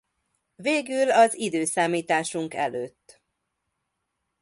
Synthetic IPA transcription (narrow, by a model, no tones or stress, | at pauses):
veːɡylɒzid̪øːsaːmiːt̪aːʃuŋkɛ̰løːt̪ː